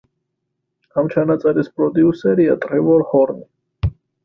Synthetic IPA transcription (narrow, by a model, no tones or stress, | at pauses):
amt͡ʃʰanat̪sʼɛɾispʼɾɔd̪iusɛɾiat̪ʼɾɛvɔɾhɔɾni